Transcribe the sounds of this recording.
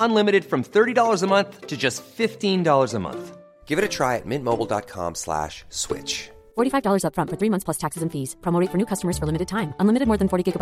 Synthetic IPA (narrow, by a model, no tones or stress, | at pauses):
ə̃nlɪ̃mɨɾɨd̥fɹʌ̃mθɜ˞ɾidɔlˠə˞zəmʌ̃nθtʰɨd͡ʒʌstfɪftĩndɔlˠə˞zəmʌ̰̃nθ | ɡ̥ɪvɨɾɨtʰɹ̥aɪɨ̰t̚mɪ̃nmoʊbl̩ˠdɑ̰t̚kʰɑ̰̃mslæ̰ʃswɪ̰t͡ʃ | fɔɹɾifaɪvdɔlˠə˞zʌpfɹʌ̃ntfə˞θɹimʌ̃nθsʰl̥ʌstʰæksɨzɨ̃nfiz̥pʰɹ̥õmoɾeɪtfə˞nʉːkʰʌstəmə˞z̥fə˞lɪmɨɾɨd̚tʰãɪ̃mʔə̃nlɪ̃mɨɾɨd̚mɔːɹðɨ̃n̩fɔɹɾiɡɪɡəb